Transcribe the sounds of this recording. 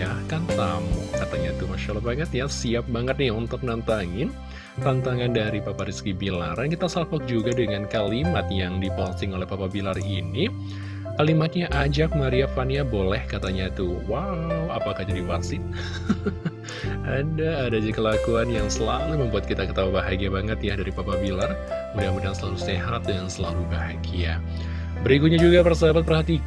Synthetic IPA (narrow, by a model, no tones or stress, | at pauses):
akant̪amukat̪aɲat̪umaʃalapaŋət̪jasiap̚baŋət̪̚nɪaunt̪ʊk̚nant̪aŋɪn | rant̪aŋandaɾipapaɾiskibila̰rankit̪asafɔk̚d͡ʒuɡadəŋankalimat̪jaŋdipɔnst̪ɪŋolɛhpapabilarini | kalimat̪̚ɲaʔad͡ʒak̚maɾiafaniabolɛhkat̪aɲat̪uwawapakahd͡ʒadipasɪn | adaːdad͡ʒakəlakuanjaŋsəlaluməmbuat̪̚kit̪akət̪aubaɦaɡiabaŋət̪jadaɾipapabilarmaɾiabaɾjaŋsəlaluseɦat̪̚dansəlalubaha̰ɡia | bəɾikut̪̚ɲad͡ʒuɡapərsəbabat̪̚pərɦat̪i